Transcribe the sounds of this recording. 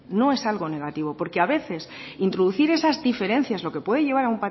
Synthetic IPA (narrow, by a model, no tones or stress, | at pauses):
no̞e̞salɣ̞o̞ne̞ɣat̪iβ̞o̞po̞ɾkeaβe̞θe̞sint̪ɾoðuθiɾe̞sazd̪ife̞ɾe̞n̟θjazlo̞ke̞pwe̞ðe̞ʝe̞βaɾaumpa